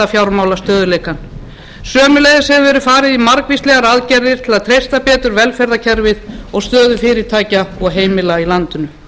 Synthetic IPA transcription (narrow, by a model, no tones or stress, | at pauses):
afjawɾmaːwlast̪œːðʏleːjkan | sœːmʏlejðɪshɛvʏvɛɾʏfaːɾɪðimaɾkvist̪lɛɣaɾaðcɛɾðɪɾ̥t̪ʰɪlaðt̪ʰɾejst̪apɛːt̪ʏɾvɛlfɛɾðacʰɛɾvɪðɔɣst̪œːðʏfɪːɾɪ̥t̪ʰaːjcaɔɣɦeːjmɪlailant̪ʏnʏ